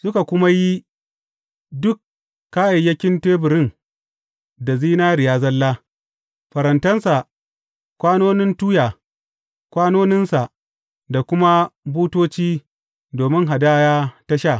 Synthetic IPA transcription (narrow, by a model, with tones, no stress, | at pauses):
sʊ˦ka˨kʷʊ˦ma˦ji˦ | dʊ˦kː | a˦ʔɐ˨jɐ˦kʲɪ˦nteː˦bʊ˨ɾɪ˦n | da˨ziː˦naː˦ɾɪ˨jaː˦zɐ˦lːaː˦ | ɸɐ˨ɾɐ˨ntɐ˦nsa˨ | kʷaː˦noː˦nɪ˦ntuː˦jaː˨ | kʷaː˦noː˦nɪ˦nsa˨ | da˨kʷʊ˦ma˦buː˦toː˦t͡ʃiː˦ | doː˨mɪ˦ŋɦa˨daː˦jaː˦ta˦ʃa˦˨